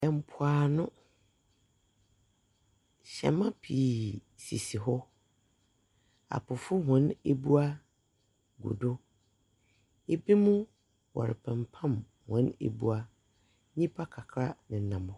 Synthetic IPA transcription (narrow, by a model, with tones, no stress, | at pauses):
ɛ˨m̩˦pʰʊ˨a˨nʊ̃˦ | ɕɛ̰˨mã˦pʰiː˨ | si˨si˨ɦɔ˦ | a̰˨pʰʊ˨fʊ˦ɦɔ̃˦ne˦bu˦a˦ | ɡṵ˨dʊ˦ | e˦bi˦mʊ̃˦ | wɔ̰˨ɾɪ̰˨pʰɛ̃˨mpʰã˦˨m | hɔ̃˨˦nḛ˨bu˦a˦ | ɲĩ˦pʰa˦kʰa˨kʰɾa˦nɪ̃˨nã˨mʊ̃˦